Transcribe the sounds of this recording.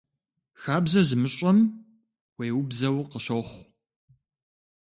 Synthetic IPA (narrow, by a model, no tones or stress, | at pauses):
xaːbzɐzɨmɨɕʼɐm | wejwʊbzɐwqəɕoχʷ